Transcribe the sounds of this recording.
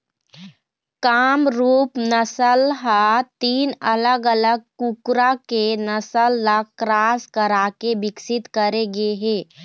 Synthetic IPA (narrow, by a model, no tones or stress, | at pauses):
kaːmɾuːpnəsəlɦat̪iːnələɡələɡ̚kukɾakenəsəlːakɾaːskəɾaːkebɪksɪt̪kəɾeɡeɦeː